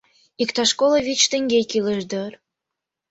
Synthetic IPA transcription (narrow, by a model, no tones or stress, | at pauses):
ikt̪ɑʃkolə̆βit͡ɕt̪ə̆ŋɡʲejkiləʒd̪ə̆r